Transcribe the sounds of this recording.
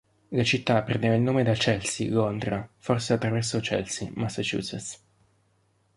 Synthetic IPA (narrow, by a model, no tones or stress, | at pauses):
lat͡ʃit̪ːapːɾendevailnoːmed̪at͡ʃɛlsilond̪ɾaforseat̪ːɾavɛrsot͡ʃɛ̰lsimasːat͡ʃṵːsɛt̪s